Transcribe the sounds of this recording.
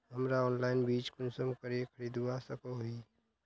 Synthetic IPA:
ɦəmɾaɔːnlaːɪnbiːt͡ʃkʊnsəmkəɾiekʰəɾid̪uasəkoɦi

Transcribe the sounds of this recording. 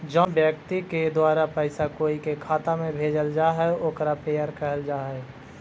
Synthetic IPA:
d͡ʒɔ̃bjəkt̪iked̪waːɾapəɪsakoːikekʰaːt̪amẽbʱeːd͡ʒəld͡ʒaːɦɛoːkɾapeːəɾkəɦəld͡ʒaːɦɛː

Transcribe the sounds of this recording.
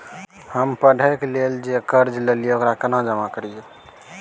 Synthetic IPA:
həmpəɖʱəkleld͡ʒekəɾd͡ʒlelijeokɾakənad͡ʒəmakəɾije

